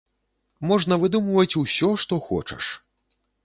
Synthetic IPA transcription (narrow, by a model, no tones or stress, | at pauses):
mɔʐnɐvɨd̪umvɐt͡sʲusʲɔʂt̪ɔxɔ̰t͡ʂɐ̰ʂ